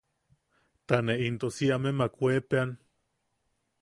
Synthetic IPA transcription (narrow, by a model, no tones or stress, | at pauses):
t̪aneʔint̪osiamemakʷepean